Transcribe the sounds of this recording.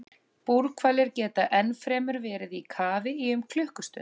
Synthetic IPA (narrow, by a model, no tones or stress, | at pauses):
puɾkʰvaːlɪɾcɛːt̪aʔɛnfɾɛːmʏɾvɛːɾɪðikʰaːvɪiʏmkʰl̥ʏhkʏst̪ʏ̰n